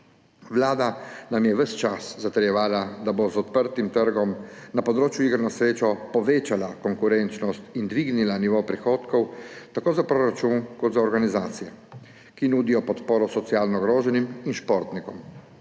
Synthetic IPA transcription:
ʋlaːd̪anamjɛʋəst͡ʃaszat̪ɛɾjɛʋaːlad̪abozɔt̪̚pəɾt̪imt̪əɾɡɔmnapɔd̪ɾoːt͡ʃjuiɡəɾnɔsɾeːt͡ʃɔpɔʋeːt͡ʃalakɔŋkuɾɛnt͡ʃnɔst̪ind̪ʋiɡnilaniʋopɾixoːt̪kɔwt̪akoːzapɾoɾat͡ʃunkɔt̪zaɔɾɡanizaːt̪sijɛ | kinuːd̪ijɔpɔt̪poːɾɔsɔt̪sijaːlnɔɡɾoːʒɛniminʃpoɾt̪nikɔm

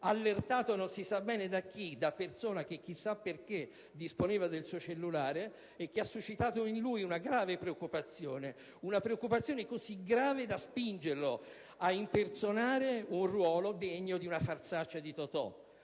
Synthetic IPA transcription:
alːert̪aːt̪ononsisabɛːned̪ak̟ːid̪apːersoːnak̟ek̟ːisːapːerk̟e | d̪ːisponeːvad̪elsuːot͡ʃelːulaːɾeː | k̟ːeasːuʃːit̪aːt̪oinlujunaɡɾaːvepɾeokːupat̪sːjoːne | unapɾeokːupat̪sːjoːnekoziɡɾaːved̪aspind͡ʒerlo | ainp̪ert̪sonaːɾeunrwɔːlod̪ɛɲːod̪iunafart̪sat͡ʃːad̪it̪ot̪ɔ̰

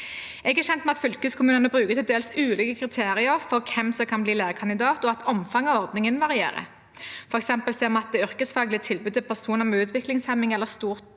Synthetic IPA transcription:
ɛɡæɕɛnt̪mɛɑt̪fʏlkʉːskʰʊmʉːnənəbʁʉːkət̪ʰɪld̪eːlsʉːliːkəkʰʁɪt̪ʰeːʁɪəɾfɔʁkʰɛmsɔkʰɑnbliːleːʁəkʰɑnɪd̪ɑːt̪ɔɑt̪ʰɔmfɑŋɑʋɔʁd̪nɪŋənʋɑʁɪḛːʁə̰ | fɔʁɛksɛmpəlsɛːmɑt̪̚d̪ɛʏʁkəsfɑːɡlɪt̪ʰɪlbʉːɪlpʰæʁsuːnəʁmɛʉːt̪ʰʋɪklɪŋshæmɪŋɛlːəʁst̪uːʁt̪

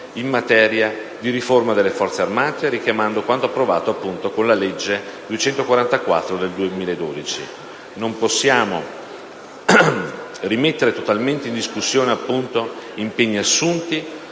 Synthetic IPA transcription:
imːat̪ɛːɾjad̪iɾiformad̪elːefɔrt̪searmaːt̪eɾikjamand̪okwant̪oapːɾova̰ːt̪oapːunt̪okonlaled͡ʒːed̪uet͡ʃɛnt̪okwaɾant̪akwa̰t̪ːɾod̪eld̪uemiːlaed̪ːoːd̪it͡ʃḭ | nomposːjaːmo̰ | rimet̪ːeɾet̪ot̪alment̪eind̪iskusːjoːneapːunt̪oimpeɲːiasːunt̪i

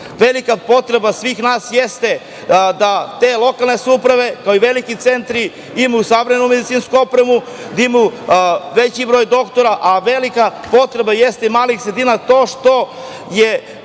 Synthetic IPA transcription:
ʋelikapo̞t̪ɾe̞basʋiːxnaːsjest̪e̞ | d̪at̪eːlˠo̞kalˠne̞supɾaʋe̞kaoiʋelikit̪sent̪ɾi | imuusaʋɾeenumed̪it̪siːnskuo̞pɾemu | d̪aimuʋet͡ɕibɾo̞jd̪o̞kt̪oɾaʔaʋelikapo̞t̪ɾe̞bajest̪eimaːlixsɾed̪iːnat̪o̞ːʃt̪o̞ | je

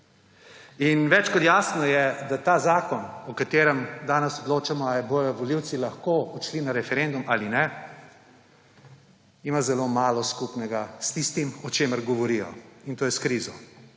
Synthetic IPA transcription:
inʋɛt͡ʃkɔt̪jaːsnɔjɛd̪at̪aːzaːkɔnɔkat̪eːɾɛmd̪aːnɛsɔd̪loːt͡ʃamɔajbojɔʋɔliwt̪silaxkoɔt̪ʃlinaɾɛfɛɾend̪umaːlinɛ | imazɛlomaːlɔskupnɛɡast̪ist̪imɔt͡ʃeːməɾɡɔʋɔɾijɔ̰int̪oːjɛskɾiːzɔ

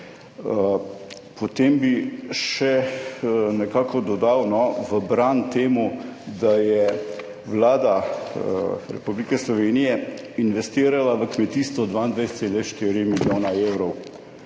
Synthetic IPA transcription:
ə | pɔt̪eːmbiʃɛ | nɛkaːkɔd̪ɔd̪awnɔʋəbɾant̪eːmud̪ajɛ | ʋlaːd̪a | ɾɛ̰publikɛslɔʋeːnijɛ | inʋɛst̪iːɾalaʋəkmɛt̪iːst̪ʋɔd̪ʋaːind̪ʋajst̪seːlɛʃt̪iːɾimiljoːnaewɾɔw

